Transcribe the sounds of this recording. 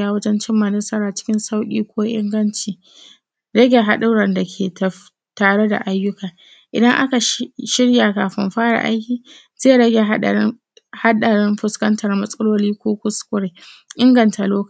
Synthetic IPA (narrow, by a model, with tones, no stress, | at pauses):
aː˦wɐ˦d͡ʒɛ˦nt͡ʃɪ˦mːa˨nɐ˦sɐ˦ɾaː˨t͡ʃɪ̥˦kʲɪ˦nsa˦wkʲʼḭː˦kʷʰoː˦ʔɪ̰˦ŋɡɐ˦nt͡ʃiː˨ | ɽɐ˦ɡʲe˨ɦa˦ɗʊ˦ɽɐ˨nda˨kʲʰeː˨tɐ˨ | taː˨ɽe˦da̰˨ʔa˦jːʊ˦kaː˨ | ʔɪ̰˨dɐ˦ŋʔa˦ka˨ʃʃɪ˦ɽjaː˨kaː˨ɸɪ˦mɸaː˦ɽa̰˨ʔa̰˦jkʲiː˨ | zeː˦˨ɽɐ˦ɡʲe˨ɦa˦ɗ̰ | ha˦ɗɐ˨ɽɪ˦mɸʊ˦skɐ˦ntʰɐ˨rmɐ˦sʼɐ˦loː˦liː˦kʷoː˦kʷʊ˦skʷʼʊ˦ɽeː˨ʔɪ˦ŋɡɐ˨ntʰa˨loː˦k